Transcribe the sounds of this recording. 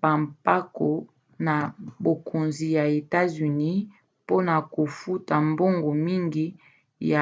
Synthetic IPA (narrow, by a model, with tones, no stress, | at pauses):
ba˨mpa˦ko˨ | na˨bo˨kʰo˨nzi˨ja˨e˨ta˦zy˨ni˦ | po˦na˨ko˨fu˦ta˨mbo˦ŋɡo˨mi˦ŋɡi˦ | ja˨